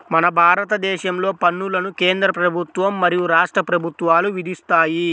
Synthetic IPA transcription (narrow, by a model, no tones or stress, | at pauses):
mɐnɐbʱaːɾɐt̪ɐd̪ɛːʃɐmlo̞ːpɐnːulɐnukeːnd̪ɾɐpɾɐbʱut̪ʋɐmːɐɾijuɾaːʂʈɾɐpɾɐbʱut̪ʋaːluʋid̪ist̪aːji